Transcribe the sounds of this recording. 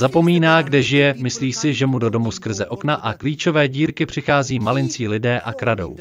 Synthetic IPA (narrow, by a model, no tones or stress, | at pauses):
zapo̞miːnaːɡdɛʒɪjɛmɪsliːsɪʒɛmudo̞do̞muskr̩zɛʔo̞knaʔakliːt͡ʃo̞vɛːɟiːɾkɪpr̝̥ɪxaːziːmalɪnt͡siːlɪdɛːʔakɾado̞̰w